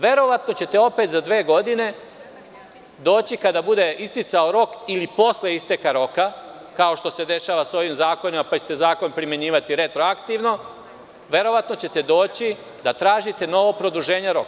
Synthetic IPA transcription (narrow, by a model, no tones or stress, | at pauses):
ʋe̞ɾo̞ʋat̪no̞t͡ɕe̞t̪e̞o̞pe̞t̪zad̪ʋe̞ːɡo̞d̪ine̞ | d̪o̞ːt͡ɕikad̪abud̪e̞ʔist̪it̪sao̞ɾo̞kilipo̞sleist̪e̞kaɾo̞ka | kao̞ʃt̪o̞se̞d̪e̞ʃaːʋaso̞ʋimzaːko̞nimapat͡ɕet̪e̞zaːko̞npɾimeɲiːʋat̪iɾe̞t̪ɾo̞akt̪iːʋno̞ | ʋe̞ɾo̞ʋat̪no̞t͡ɕe̞t̪e̞d̪o̞ːt͡ɕi | d̪at̪ɾaːʒit̪e̞no̞ʋopɾo̞d̪uʒe̞ːɲeɾo̞̰k